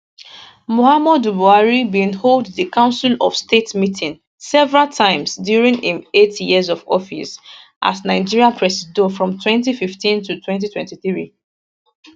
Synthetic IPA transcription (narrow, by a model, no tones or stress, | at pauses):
mohamɔdubuaɹibĩnholdðəkãʊ̃nsilɔv̥stetmitʰĩn | sɛvɹaltʰãɪ̃msdjuɹĩŋĩnetjiəzɔvɔfḭs | ʔa̰snaɪd͡ʒiɹiãpʰɹɛsdofɹɔ̃mtʰwɛ̃nt̬ififtĩntutʰwɛ̃ntitwɛ̰̃ntiθɹi